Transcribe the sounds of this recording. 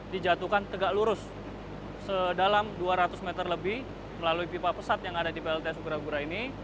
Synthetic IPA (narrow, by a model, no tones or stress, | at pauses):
did͡ʒat̪ukant̪əɡaʔluɾʊsː | ədalamduaɾat̪ʊsmɛt̪ərləbɪh | məlaluipipapəsap̪jaŋadadipeɛlt̪esuɡəɾaɡuɾaini